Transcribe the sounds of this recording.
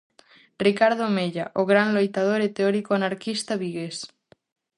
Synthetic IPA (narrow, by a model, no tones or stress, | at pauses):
rikaɾð̞omeʎaʔoɣɾanlojt̪að̞oɾet̪eɔɾikoanaɾkist̪aβiɣes